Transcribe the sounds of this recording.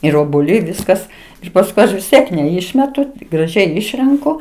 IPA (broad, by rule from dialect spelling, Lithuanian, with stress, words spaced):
ɪr oːbuɔˈlʲɛɪ ˈʋʲɪskɐs ɪr pɐsˈkʊɪ ˈɐʃ ʋʲɪs ˈtʲiɛk nʲɛˈɪʃʲmʲɛtʊ ɡrɐˈʒʲɛɪ ˈɪʃʲrʲɛŋkʊ